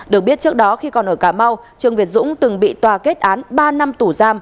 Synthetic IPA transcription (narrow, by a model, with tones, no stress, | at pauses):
ɗɨ˨˩ək̚ɓət̚t͡ɕɨ˦˥ək̚ɗɔ˨˦xi˧kɔ˨˩nʔəː˧˩kaː˧˩ma˧w | t͡ɕɨ˨˩əŋvi˨˩ət̚zʊ̰˧˥ŋ͡mt̪ɨ˨˩ŋɓḭ˧˨t̪waː˨˩ke˦˥t̚ʔaː˨˦nɓaː˧na˧mt̪u˧˩zaː˧m